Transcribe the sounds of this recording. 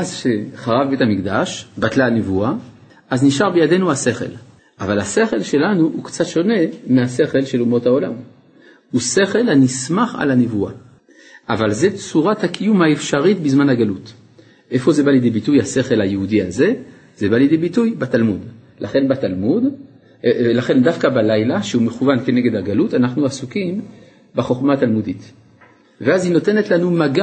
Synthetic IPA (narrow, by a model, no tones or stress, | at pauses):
ʔazʃeχaʁavbethamikdaʃbatlaanevua | ʔazniʃaʁbejade̞nuhase̞χe̞̰l | ʔavalhase̞χe̞lʃe̞lanuukt͡sat̪ʃo̞ne̞mease̞χe̞lʃe̞lumo̞thaola̰m | use̞χe̞lanismaχa̰lhanevua̰ | ʔavalzet͡suʁathakʰijumhaefʃaʁitbizmanhaɡalut | ʔefo̞zebaljed̪ebitujase̞χe̞lajehudiaze̞ | zebaljed̪ejbitujbat̪almud̪ | lʔaχe̞nbat̪almud̪ | laχe̞nd̪afkabalajlaʃeumeχuvankeneɡedhaɡalutanaχnuasukim | beχo̞χmaːt̪almud̪it̪ | veazino̞t̪enetlanumaɡa